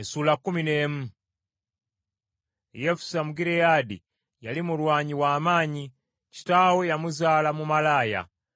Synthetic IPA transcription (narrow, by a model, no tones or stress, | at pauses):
sulakumineːmu | jefu̥samuɡiɾejadḭ | jalimulwaːɲiwaːmaːɲi | ci̥tawojamuzaːlamumalaːja̰